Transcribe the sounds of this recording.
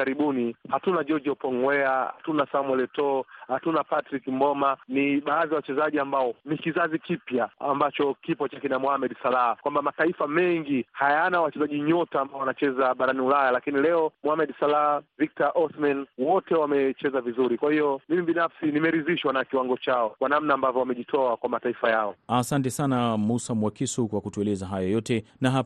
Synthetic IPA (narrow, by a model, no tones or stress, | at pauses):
aɾiɓunihatunad͡ʒɔd͡ʒiɔpɔŋwɛaha̰tunasamwɛlɛtɔhatunapatɾikim̩bɔmaniɓaːðijawat͡ʃɛzaʄiambaɔnikizazikipjaa̰mbat͡ʃɔkipɔt͡ʃakinamuhamɛɗsalaakwambamataifamɛŋɡihajanawat͡ʃɛzaʄiɲɔtaːmbaɔanat͡ʃɛzaɓaɾaniulajalakinilɛɔmuhamɛɗsalaavik̚taʔɔsmanwɔtɛwamɛt͡ʃɛzavizuɾikwahiɔmimiɓinafsinimɛɾiziʃwanakiwaŋɡɔt͡ʃaɔkwanamnaːmbavjɔwamɛʄitʰɔakwamataifajaɔasantɛsanamusamwakisukwakutuɛlɛzaɦajɔjɔtɛnaɦa